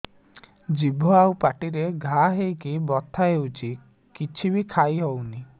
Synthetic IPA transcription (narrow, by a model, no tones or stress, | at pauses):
d͡ʒibʱɔawpaʈiɾeɡʱaɦejkibɔt̪ʰːaɦewt͡ʃʰi | kit͡ʃʰibikʰajɦɔwni